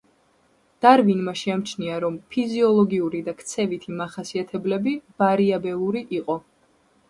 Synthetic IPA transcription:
d̪̥aɾvinmaʃɛamt͡ʃʰniaɾɔmpʰiziɔlˠɔɡiuɾid̪akʰt̪sʰɛvit̪ʰimaχasiat̪ʰɛblɛbiv̥aɾiabɛlˠuɾiʔiqʼɔ

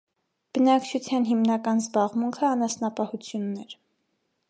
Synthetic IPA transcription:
b̥ənɑkt͡ʃʰut͡sʰjɑnɦimnɑkɑnzbɑʁmuŋkʰəɑnɑsnɑpɑhut͡sʰjunːɛɾ

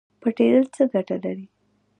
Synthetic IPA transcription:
pəʈed̪əlt͡səɡaʈalaɾi

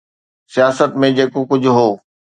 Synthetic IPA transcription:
sijaːsət̪mẽd͡ʑeːkokʊd͡ʑʱʊɦoː

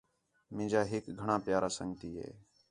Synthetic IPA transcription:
mɪ̃ːd͡ʒaːɦɪkɡʱəɳãːpjaːɾaːsəŋɡt̪iːɦḛː

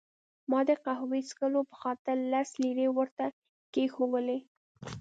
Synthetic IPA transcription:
mɑd̪əqahwiskəlopə̥xɑt̪ɪɾːasliɾewəɾt̪a | kexowəle

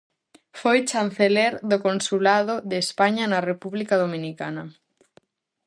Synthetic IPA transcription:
fojt͡ʃan̟θeleɾðokonsulaðʊðespaɲanɐrepuβlikað̞omĩnikanɐ

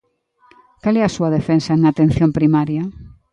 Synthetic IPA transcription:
kalɛasuɐðefensɐeŋat̪ẽn̟θjõmpɾimaɾjɐ

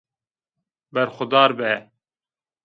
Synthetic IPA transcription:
bɛɾxʊd̪ɑːɾbɛ

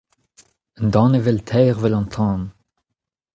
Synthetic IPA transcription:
nd̪ɑ̃ːnevɛlt̪ʰɛːʁvəlɑ̃t̪ʰɑ̃ːd̪

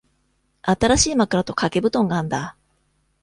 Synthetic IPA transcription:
at̪aɾaɕiːmakɯ̟ɾat̪o̞kʰake̞bɯ̟t̪õ̞ŋɡãːnd̪a

